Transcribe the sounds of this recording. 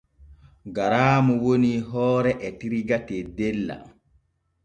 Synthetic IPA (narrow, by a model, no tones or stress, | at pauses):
ɡaɾaːmuwoniɦɔːɾɛʔɛtiɾiɡatɛdɛlːa̰